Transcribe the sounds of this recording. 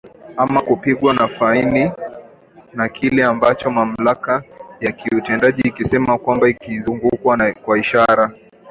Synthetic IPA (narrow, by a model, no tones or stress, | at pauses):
amakupiɠwanafaini | nakʰilɛambat͡ʃɔmam̩lakajakiutɛndaʄiːkisɛmakwambaikizuŋɡukwakwaiʃaɾa